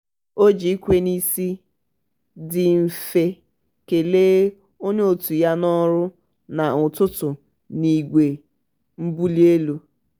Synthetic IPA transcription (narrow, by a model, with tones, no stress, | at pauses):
o˦d͡ʒi˨˦i˦kʷe˦ni˦si˦ | dɪ˨m̩˨fe˦ | ke˨leː˦ | o˦ɲe˦o˨tu˨ja˦nɔ˦ɾʊ˦ | na˨ʊ˨tʊ˦tʊ˨ | ni˨ɡʷe˨ | m̩˦bu˦li˦e˦lu˦